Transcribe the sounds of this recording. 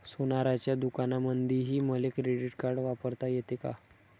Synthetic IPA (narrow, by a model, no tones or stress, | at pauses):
sonaɾat͡ɕjad̪ukanamənd̪ʱiɦiːməlekɾeɖiʈkaɾɖʋapəɾt̪ajet̪eka̰